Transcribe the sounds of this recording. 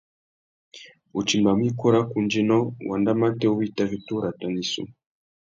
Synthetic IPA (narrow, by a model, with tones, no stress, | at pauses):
u˨t͡ʃi˨mba˨m˦i˦kɔ˦ɾa˦ku˨nd͡ʒi˦nɔ˦wa˨nda˦ma˦tɛ˦u˦βi˦˨ta˦vi˦tu˦ɾa˨ta˨ni˨sṵ˦